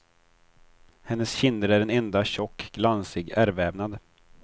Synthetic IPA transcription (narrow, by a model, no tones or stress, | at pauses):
hɛnːəsɕɪnd̪əɾæɖɛnɛnd̪aɕɔkːɡlansɪɡæɾvɛːvnad̪